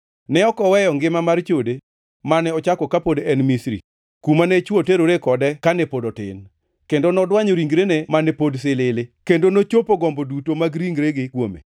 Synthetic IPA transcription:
nɛɔkɔwɛjɔŋɡɪmamart͡ʃode | manɛɔt͡ʃakɔkapodɛnmisɾḭ | kumanɛt͡ʃwoteɾoɾekɔdɛkanɛpodɔtɪ̰n | kendonɔdwaɲoɾiŋɡɾenemanɛpods̬ɪlɪlɪkendonot͡ʃopoɡɔmbodutomaɡɾiŋɡɾeɡɪkwomḛ

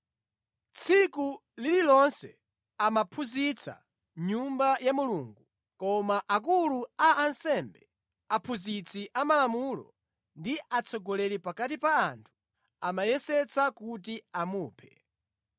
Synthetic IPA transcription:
t͡sʰiku | lililɔnsɛ | amapʰuzit͡sʰa̰ | ɲumbajamuluːŋɡu | kɔmaʔak̬uluaʔːnsɛmbɛ | apʰuzit͡sʰiʔamalamulɔ̰ | ndiʔat͡sʰɔɡɔlɛlipakatipaːntʰu̥ | amajɛsɛt͡sʰakutiamuːpʰɛ̥

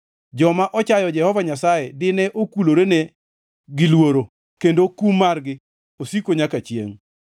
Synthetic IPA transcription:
d͡ʒɔmaʔɔt͡ʃajɔd͡ʒɛhɔvaɲasajɛdɪnɛʔokuloɾene | ɡɪlwoɾo | kendokumːarɡɪ | osikoɲakat͡ʃjḛŋ

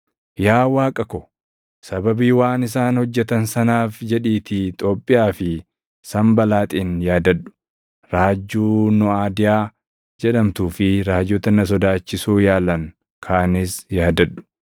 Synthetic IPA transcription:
jaːwaːkʼɐkɔ | sɐbɐbiːwaːnɪs̬aːnhɔd͡ʒːɛt̪ɐnsɐnaːfd͡ʒɛᶑiːt̪ɪt̪ʼo̞ːpʼːɪjaːfɪ | sɐmbɐlaːt̪ʼiːnjaːd̪ɐᶑʊ̥ | ɾaːd͡ʒːuːnɔaːd̪ɪjaː | d͡ʒɛᶑɐmt̪uːfɪɾaːd͡ʒːɔt̪ɐnɐs̬ɔd̪aːt͡ʃːɪsuːjaːlɐŋ | kʰaːnɪsjaːd̪ɐᶑʊ̥

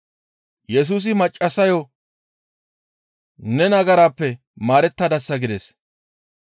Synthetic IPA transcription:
jɛs̬uːs̬ɪmɐt͡ʃʼːɐsɐjɔ | nɛnɐɡɐɾaːpːɛ | maːɾɛt̪ːɐd̪ɐsːɐɡɪd̪ɛs

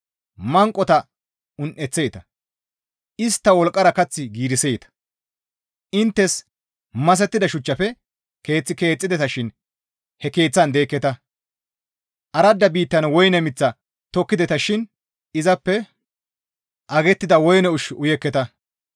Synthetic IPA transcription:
mɐŋkʼɔt̪ɐ | ʊnʔɛt͡sːejt̪ɐ | ʔɪst̪ːɐwɔlkʼːɐɾɐkɐt͡sːɪɡiːɾɪsejt̪ɐ̥ | ʔɪnt̪ːɛs | mɐs̬ɛt̪ːɪd̪ɐʃʊt͡ʃːɐfɛ | ke̞ːt͡sːɪke̞ːt͡sʼːɪd̪ɛt̪ɐʃɪn | hɛke̞ːt͡sːɐnd̪e̞ːkːɛt̪ɐ | ʔɐɾɐd̪ːɐbiːt̪ːɐnwɔjnɛmɪt͡sːɐ | t̪ɔkːɪd̪ɛt̪ɐʃɪn | ɪzɐpːɛ | ʔɐɡɛt̪ːɪd̪ɐwɔjnɛʊʃʊjɛkːɛt̪ɐ

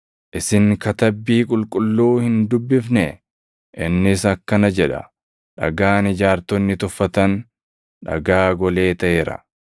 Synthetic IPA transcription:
ʔɪsɪŋkɐt̪ɐbːiːkʼʊlkʼʊlːuːhɪnd̪ʊbːɪfnɛ | ʔɪnːɪsɐkːɐnɐd͡ʒɛᶑɐ̰ | ᶑɐ̰ɡaːnɪd͡ʒaːɾt̪ɔnːɪt̪ʊfːɐt̪ɐn | ᶑɐ̰ɡaːɡɔle̞ːt̪ɐʔeːɾɐ̰

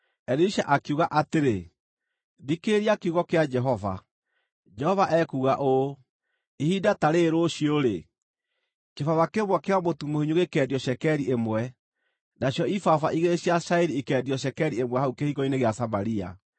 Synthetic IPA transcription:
ɛɾiʃaʔakuɣaʔateɾe | ðikeɾiakeuɣɔkead͡ʒɛɦɔva̰ | d͡ʒɛhɔvaʔɛkuːɣaʔo | ihidataɾeɾoɕioɾe | kefawakeβwɛkeɔmotumohiɲoɣekɛːdiɔɕɛkɛɾiʔemwɛ | naɕjɔifafaʔiɣeɕiaʃaeɾiekɛdjɔɕɛkɛɾiemwɛhaukehiɣɔineɣeasamaɾia̰

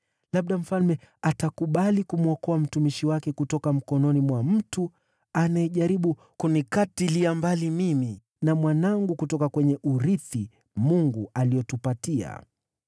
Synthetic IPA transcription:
laɓ̚ɗam̩falmɛatakuɓalikumuɔkɔam̩tumiʃiwakɛkutɔkam̩kɔnɔnimwam̩tu | anaɛʄaɾiɓu | kunikatiliambalimimi | namwanaŋɡukutɔkakwɛɲɛʔuɾiθi | muŋɡualiɔtupatia̰

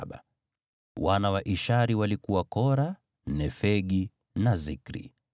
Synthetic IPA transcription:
ɓa̰ | wanawaʔiʃaɾiwalikuwakɔɾa | nɛfɛɠi | nazikɾḭ

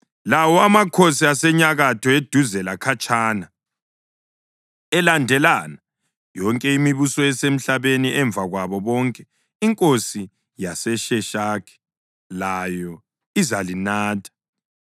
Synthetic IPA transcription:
lawɔamakʰosiasɛɲaɣatʰɔed̥ʱuzɛlakʰat͡ʃʼaːna | ɛlandʱɛlaːna | jɔŋkʼɛimiβusɔɛsem̩ɬaβeniʔɛɱb̪vʱaɣwaβɔβɔŋkʼɛ | iŋkʼosi | jasɛʃɛʃakʰɛ̥ | lajɔ | izalinaːtʰḁ

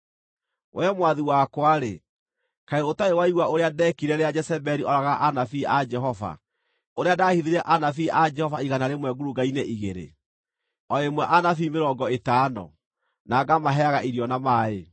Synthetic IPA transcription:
oamwaðiwakwaɾe | kaeotaewaiɣwaoɾeadɛkiɾɛɾead͡ʒɛsɛbɛɾiʔɔɾaɣaʔanafiad͡ʒɛɦɔva̰ | oɾeadaːhiðiɾɛʔanafiʔad͡ʒɛhɔvaiɣanaɾemwɛɡuɾuɡaineʔiɣeɾḛ | ɔemwɛʔanafimeɾɔːɡɔetaːnɔ̰ | naɡamaɦɛaɣaʔiɾjɔnamae

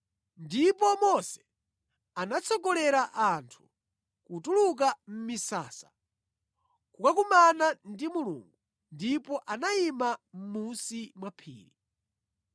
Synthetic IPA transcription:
ndipɔmɔsɛ̥ | anat͡sʰɔɡɔlɛɾaʔantʰu̥ | kutuluk̬am̩misa̰ːsḁ | kukakumanandimulṵːŋɡu | ndipɔʔanaimam̩musimwapʰḭːɾi

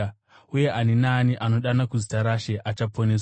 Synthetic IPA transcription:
uje̞ʔanenaniʔano̞ɗanakuzitaɾaʃeʔat͡ʃapʰo̞neːsw

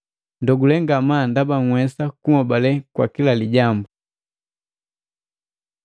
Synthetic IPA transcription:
ndɔɡulɛŋɡamandabaŋ̩wɛsakuŋɔbalɛkwa̰kilaliɟambu

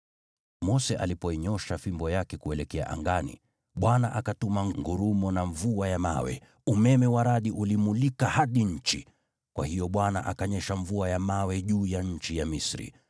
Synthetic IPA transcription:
mɔsɛʔa̰lipɔiɲɔʃafimbɔjakɛkuɛlɛkɛa̰ʔa̰ŋɡanḭ | ɓwanaʔakatumaŋŋɡuɾumɔnaɱvuajama̰wɛ̰ | umɛmɛwaɾaɗiʔulimulikahaɗiɲ̩t͡ʃḭ | kwa̰hijɔɓwana̰ʔakaɲɛʃaɱvuajamawɛʄuːjaɲ̩t͡ʃijamisɾḭ

